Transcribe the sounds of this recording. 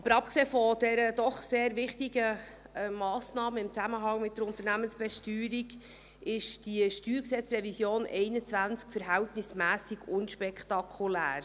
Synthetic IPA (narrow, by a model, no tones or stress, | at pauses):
ɑb̥əɾɑp̚kseːfɔd̥ɛɾəd̥ɔχseːɾvɪχtiɡə | mɑːsnɑːməɪmt͡sæməɦɑŋmɪt̚d̥əɾʊnt̪əɾnæmənsb̥ɛʃtyːɾiɡ | ɪʃd̥iʃtyːɾksɛt͡srɛvisjoːnʔɛɪnət͡svænt͡skfəɾɦæltnɪsmæːsiɡ̥ʊnʃpɛkʰt̪ɑkʰulæ̰ːɾ